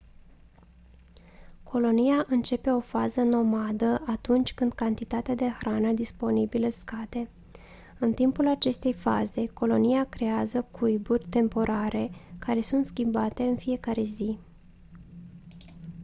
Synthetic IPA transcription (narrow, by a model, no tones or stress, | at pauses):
kʰo̞lo̞nijaʔɨnt͡ʃe̞pe̞o̞fazəno̞mad̪əʔat̪unt͡ʃʲkɨnd̪̚kant̪it̪at̪ead̪e̞xɾanəd̪ispo̞nibiləskad̪e̞ | ɨnt̪impulat͡ʃe̞st̪e̞jfaze̞ko̞lo̞nijakɾe̞azəkʰujburʲt̪e̞mpo̞ɾʔaɾʔe̞kaɾe̞sunt̪skʲimbat̪e̞ɨnfije̞kaɾe̞zi